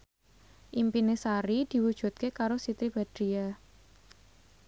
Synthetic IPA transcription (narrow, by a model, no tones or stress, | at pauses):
ʔimpinesaɾid̪̥i̤wud̥ʒ̥ṳt̪̚kekaɾosit̪ɾib̥a̤d̪̥ɾia